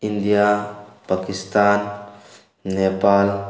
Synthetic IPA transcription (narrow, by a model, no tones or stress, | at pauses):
ind̪ijapakist̪anː | epal